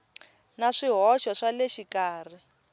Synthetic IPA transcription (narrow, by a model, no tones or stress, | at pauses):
naʂiɦɔʃɔʂalɛʃikaːr̤i